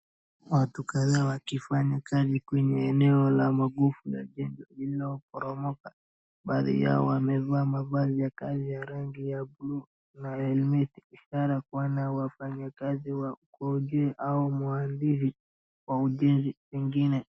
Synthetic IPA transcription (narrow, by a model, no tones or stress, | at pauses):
watukaðaːwakifaɲakazikwɛɲɛːnɛɔlamaɡufuja̰ʄɛnd͡ʒɔiliɔɔpɔɾɔmɔka | ɓaðḭja̰ɔ̰wamɛvaːmavazijakazijaɾaŋɡijabulu | naɛlmiθiiʃaɾakuwanawafaɲakaziwaukɔʄɛʔaumuandiʃ̬i | wauʄɛnziwiŋɡinɛ